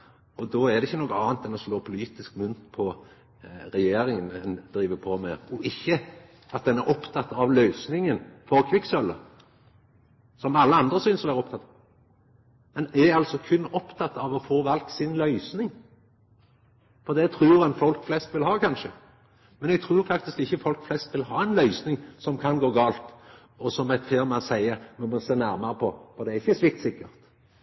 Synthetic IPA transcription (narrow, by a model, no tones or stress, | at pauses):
ɔd̪ɔæd̪ɛɪçːənɔkːɑːnt̪d̪ɛnɔsloːpʰʊliːt̪ɪskmʉnt̪pʰɔ | ɾɛjeːɾɪŋənɛnd̪̥ɾiːʋəpʰɔmeːɔʔɪçːə | ɑt̪̚d̪ɛnæɾʔɔpt̪ʰɑt̪ːɑʋlœʏsnɪŋənfɔʁkʰʋɪksœlːə | sɔmɑlːəɑnd̪ʁəsyːnsɔʋæːʁəɔpt̪ʰɑt̪ːɑ | mɛnɛɑlsɔkʰʉnːɔpt̪ʰɑt̪ːɑʋɔfoːʋɑlksɪnlœʏsnɪŋ | fɔʁd̪ɛt̪ʰɾuːɾɛnfɔlkflɛst̪ʋɪlɦɑːkʰɑnʃə | mɛnɛɡ̚t̪ʰɾuːɾfɑkt̪ɪskɪçːəfɔlkflɛst̪ʋɪlhɑːɛnlœʏsnɪŋsɔmkʰɑnɡoːɡɑːlt̪ | ɔsɔmɛt̪feːʁmɛsæɪəmɛmɔseːnæɾmɑɾəpʰɔfɔd̪ɛæɪçːəsʋɪk̚t̪sɪkːəɾt̪